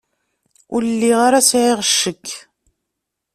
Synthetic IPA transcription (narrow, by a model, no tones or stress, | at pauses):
ʊllːiʁaɾasʕiʁəʃːəkː